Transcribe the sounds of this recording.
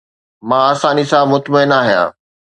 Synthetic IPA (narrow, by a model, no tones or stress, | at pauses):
mãːaːsãːnisãːmʊt̪məɪnaːɦijã̰ː